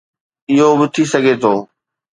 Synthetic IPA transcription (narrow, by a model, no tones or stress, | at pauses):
ɪɦobɪt̪ʰisɐɡʱet̪ʰoː